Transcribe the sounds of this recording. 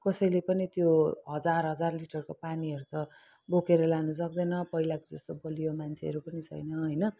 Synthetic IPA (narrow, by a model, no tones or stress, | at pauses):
kʌsʌjlepʌnit̪joɦʌd͡zarɦʌd͡zarliʈʌrkopaniʌɾut̪ʌ | bokeɾʌlanus̬ʌk̚d̪ʌnʌpʌilakod͡zʌst̪obʌlijomant͡sʰeʌ̰ɾupʌnit͡sʰʌ̰jnʌɦʌjnʌ